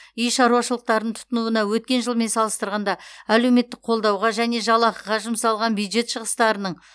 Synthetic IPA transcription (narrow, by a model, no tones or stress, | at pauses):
ijʃɑɾuɑʃəlˠəq̚t̪ɑɾd̪əɴt̪ʰʊ̥t̪ənuənɑwɵt̪̚kʲe̞nʒəlˠme̞nsɑlˠəst̪əɾʁɑnd̪ɑæle̞wme̞t̪ːɪk̚qʰo̞lˠd̪ɑwʁɑʒæne̞ʒɑlˠɑqəʁɑʒʊmsɑlˠʁɑnbjud̪ʒe̞t̪ʃəʁəst̪ɑɾənəɴ